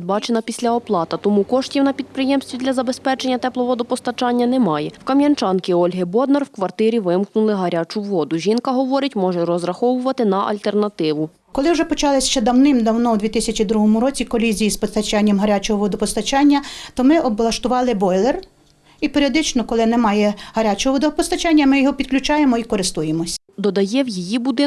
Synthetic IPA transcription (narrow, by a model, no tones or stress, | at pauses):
d̪̚bɑt͡ʃenɐpʲisʲlʲɐɔplˠɑt̪ɐt̪ɔmukɔʃtʲiwnɐpʲid̪̚pɾɪjɛmsʲt̪ʋʲid̪ʲlʲɐzɐbespɛt͡ʃenʲːɐt̪ɛplˠɔʋɔd̪ʊpɔst̪ɐt͡ʃɑnʲːɐnɛmɑjɛwkɐmʲjɐnt͡ʃɑnkɪɔlʲɦɪbɔd̪nɐrwkʋɐrt̪ɪɾʲiʋɪmknʊlˠɪɦɐɾʲat͡ʃʊʋɔd̪ʊʒʲinkɐɦɔʋɔɾɪtʲmɔʒɛɾɔzɾɐxɔʋʊʋɐt̪ɪnɐʔɐ̰lʲt̪ernɐt̪ɪʋʊ | kɔlˠɪwʒɛpɔt͡ʃɑlˠɪsʲʃt͡ʃɛd̪ɐwnɪmd̪ɐwnɔwd̪ʲʋʲit̪ɪsʲɐt͡ʃid̪ɾuɦɔmʊɾɔt͡sʲikɔlʲizʲijispɔst̪ɐt͡ʃɑnʲːɐmɦɐɾʲat͡ʃɔɦɔʋɔd̪ʊpɔst̪ɐt͡ʃɑnʲːɐt̪ɔmɪɔblˠɐʃt̪ʊʋɑlˠɪbɔjlˠer | ipeɾʲiɔd̪ɪt͡ʃnɔkɔlˠɪnɛmɑjɛhɐɾʲat͡ʃɔɦɔʋɔd̪ɔpɔst̪ɐt͡ʃɑnʲːɐmɪjɔɦɔpʲid̪̥̚klʲʊt͡ʃɑje̞mɔikɔɾɪst̪ujemɔsʲ | d̪ɔd̪ɐjɛwjijibud̪ɪ